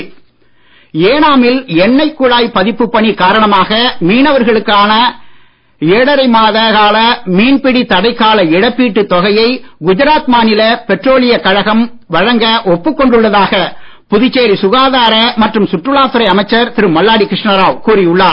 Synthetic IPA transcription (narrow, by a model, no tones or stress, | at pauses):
eːnaːmɪlɛnːɐɪkːʊɻaːjpɐðɪpːɯpːɐɳikaːɾɐɳɐmaːɣɐmiːnɐʋɐɾɣɐɭɯkːaːnɐ | eːɽɐɾɐɪmaːðɐɣaːlɐmiːnpɪɽit̪ɐɽɐɪkːaːlɐɛɽɐpːiːʈːɯt̪ːɔɣɐjɐɪɡʊd͡ʒɐɾaːt̪maːnɪlɐpɛʈroːlɪjɐkɐɻɐɣɐm | ʋɐɻɐŋɡɐʔɔpːɯkːɔɳɖɯɭːɐðaːɣɐ | pʊðɪt͡ʃːeːɾisʊɣaːðaːɾɐmɐʈrɯmsʊʈːrɯɭaːt̪ɯɾɐɪɐmɐɪt͡ʃːɐɾt̪ɪɾɯmɐlːaːɽikɾɪʂɳɐɾaːʋkuːɾɪʊɭːaː